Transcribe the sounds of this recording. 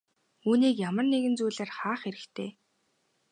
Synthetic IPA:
uːniːkjamə̆rneɣɘ̆nt͡suːɮaːrχaːχeɾɘ̆kt̪ʰeː

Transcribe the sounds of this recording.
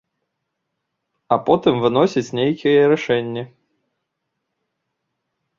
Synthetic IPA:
ɐpɔt̪ɨmvɨnɔsʲit͡sʲnʲejkʲijɛɾɛʂɛnʲːɛ

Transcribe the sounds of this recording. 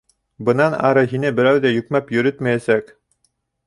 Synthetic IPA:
bɤ̆nɑnɑ̰ɾɤɦinɘbɘ̆ɾæwðæjɵ̆kmæpjɵ̆ɾɵt̪mæjæsæk

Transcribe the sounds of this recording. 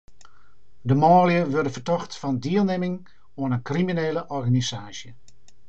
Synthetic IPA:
dəmɔːljəʋørdəfərtɔxtfɔndiəlˠnemɪŋ | oənənkrimineːləʔɔrɣanisaːsjə

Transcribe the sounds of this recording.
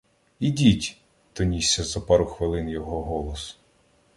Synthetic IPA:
idʲitʲ | t̪ɔnʲisʲːɐzɐpɑɾʊxʋɪlˠɪnjɔɦɔɦɔlˠɔs

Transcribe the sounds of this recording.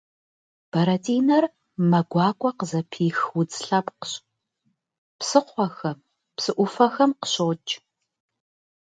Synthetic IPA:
b̥ɐɾɐtʰiːnɐr | mɐɡʷɑːkʷʼɔqəzɐpʰiːxwʊt͡sʼɬɐpqəɕ | psɨqʷɔxɐm | psɨʔʷʊfɐxɐmqə̥ɕoːt͡ʃʼ

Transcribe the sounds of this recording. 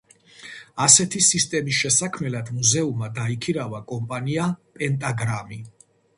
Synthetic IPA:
asɛt̪ʰisist̪ʼɛmisʃɛsakʰmɛlad̪muzɛumad̪aikʰiɾavakʼɔmpʼaniapʼɛnt̪ʼaɡɾami

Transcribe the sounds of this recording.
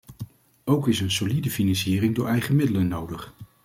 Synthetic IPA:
owkɪsənsolidəfinɑnsiːɾɪŋdʊːɹʔɛjχəmɪdələnːowdəχ

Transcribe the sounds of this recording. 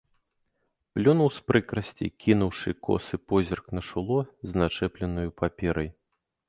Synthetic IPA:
plʲɔnɐwspɾɨkɾɐsʲt͡sʲḭkʲinuwʂɨkɔ̰sɨpɔzʲɛrknɐʂulˠɔzʲnat͡ʂɛplʲɛnɐjupapʲɛɾɐj

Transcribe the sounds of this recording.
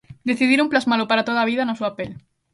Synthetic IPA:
d̪eθiðiɾumplazmalopaɾat̪oðaβiðanosuapel

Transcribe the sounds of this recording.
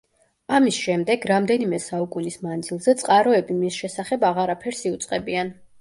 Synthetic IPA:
amisʃɛmd̪ɛɡɾamd̪ɛnimɛsaukʼunismand̪zilˠzɛt̪sʼqʼaɾɔɛbimisʃɛsaχɛbaʁaɾapʰɛɾsiut̪sʼqʼɛbian

